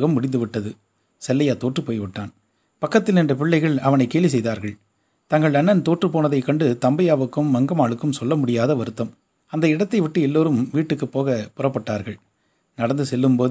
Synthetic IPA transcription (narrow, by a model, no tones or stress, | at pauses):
ɣɐmːʊɽɪnd̪ɯʋɪʈːɐðɯ | sɛlːɐjaːt̪oːʈrɯpoːjʋɪʈːaːn | pɐkːɐt̪ːɪlnɛndrɐp̬ɪɭːɐɪɣɐɭɐʋɐnɐɪkːeːlʋis̬ɛjðaːɾɣɐɭ | t̪ɐŋɡɐɭɐnːɐnt̪oːʈrɯpoːnɐðɐɪkːɐɳɖɯt̪ɐmbɐjaːʋɯkːɯmːɐŋɡɐmaːɭɯkːɯmsɔlːɐmʊɽɪjaːðɐʋɐɾɯt̪ːɐm | ɐnd̪ɐɪɽɐt̪ːɐɪʋɪʈːɯɛlːoːɾɯmʋiːʈːɯkːɯpːoːɣɐpʊrɐpːɐʈːaːɾɣɐɭ | nɐɽɐnd̪ɯsɛlːɯmpoːð